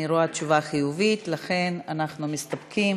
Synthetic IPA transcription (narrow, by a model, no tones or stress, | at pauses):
iɾoat͡ʃuvaχijuvit̪laχe̞nanaχnumist̪apkʰim